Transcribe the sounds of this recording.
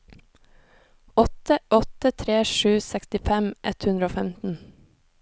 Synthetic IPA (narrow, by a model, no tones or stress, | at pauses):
ɔt̪əʔɔt̪ət̪ʰɾeːʃʉːsɛkst̪ɪfɛmʔɛt̪hʉnɾəoːfɛmt̪n̩